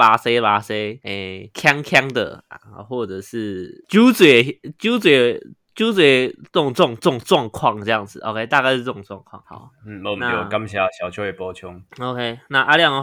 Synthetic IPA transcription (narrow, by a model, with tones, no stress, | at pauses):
pa˨˩se˧ɪ˧pa˨˩se˧˦ɪe˨˩kʰja˦ŋkʰja˦ŋd̪ə̰˨a̰˨˩xwɔ˥˩ʈ͡ʂə˨˩ʂɻ̩˥˩t͡ɕu˦t͡swe˨˩t͡ɕu˦t͡swe˨˩t͡ɕju˥˦t͡swe˨˩t̪ʊ˥˩ŋt͡swɔ˥˧ŋt͡swɑ˥˧ŋʈ͡ʂwɑ˥˧ŋkʰwɑ˥˩ŋʈ͡ʂɤ˥˧ja˥˩ŋd͡zɹ̩˨˩ʔo̰˨˦kʰe˦ɪt̪a˥˧ka˥˧˥t͡sʊ˥˨ŋt͡swɑ˥˧ŋkʰwɑ̰˥˨˩ŋha̰˨˩˦n̩˥˩˧na˥˨o˨ka˦mɕja˧˩ɕjɑ˨˩ʊt͡ɕʰjo˧˦e˨˩pɔ˦t͡ɕʰjo˦ŋo˧ʊkʰe˦na˥˧ʔa˥˧lja˥˨ŋ